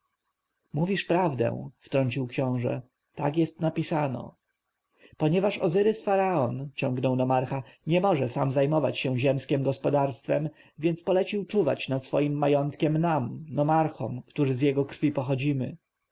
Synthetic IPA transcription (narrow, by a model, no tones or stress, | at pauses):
muvʲiʂpɾavd̪ɛ̰̃w̃ft̪ɾɔɲt͡ɕiwkɕɔ̃w̃ʐɛ̰ | t̪akjɛst̪napʲisanɔ̰ | pɔɲɛvaʂɔ̰zɘɾɘsfaɾaɔnt͡ɕɔ̃ŋɡnɔwnɔmaɾxaɲɛmɔʐɛsamzajmɔva̰t͡ɕɕɛ̃ʑɛmskʲɛmɡɔspɔd̪aɾst̪fɛm | vʲjɛnt̪spɔlɛt͡ɕiwt͡ʂuva̰t͡ɕnat̪sfɔjimːajɔnt̪kʲɛmnamnɔmaɾxɔ̰mkt̪uʐɘzjɛɡɔkɾ̥fʲipɔxɔd͡ʑimɘ̰